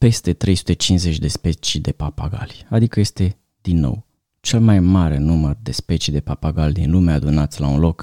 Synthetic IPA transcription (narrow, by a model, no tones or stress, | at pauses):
pe̞st̪e̞t̪ɾe̞jsu̥t̪e̞t͡ʃinze̞t͡ʃʲd̪e̞spe̞t͡ʃid̪e̞papaɡa̰lʲad̪ikəje̞st̪e̞ | d̪̥inːo̰w | t͡ʃe̞lmajmaɾe̞numərd̪e̞spe̞t͡ʃid̪e̞papaɡalʲd̪inlume̞ad̪unat̪sʲlaunlo̞k